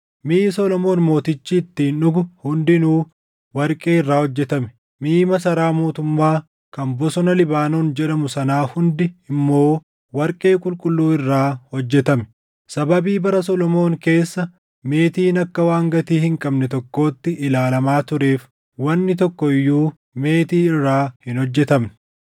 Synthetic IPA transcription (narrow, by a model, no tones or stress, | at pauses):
miːsɔlɔmo̞ːnmo̞ːt̪ɪt͡ʃːiːt̪ːiːnʊɡʊhʊnd̪ɪnuː | wɐɾkʼeːɪrːaːhɔd͡ʒːɛt̪ɐmɛ̥ | miːmɐs̬ɐɾaːmo̞ːt̪ʊmːaː | kɐmbɔsɔnɐlɪbaːnoːnd͡ʒɛᶑɐmʊsɐnaːhʊnd̪ɪɪmːo̞ː | wɐɾkʼe̞ːkʼʊlkʼʊlːuːɪrːaːhɔd͡ʒːɛt̪ɐmɛ̥ | sɐbɐbiːbɐɾɐsɔlɔmo̞ːŋke̞ːsːɐ | me̞ːt̪iːnɐkːɐwaːŋɡɐt̪iːhɪŋkʼɐbnɛt̪ɔkːo̞ːt̪ːɪʔɪlaːlɐmaːt̪ʊɾe̞ːf | wɐnːɪt̪ɔkːɔɪjːuː | me̞ːt̪iːɪrːaːhɪnhɔd͡ʒːɛt̪ɐm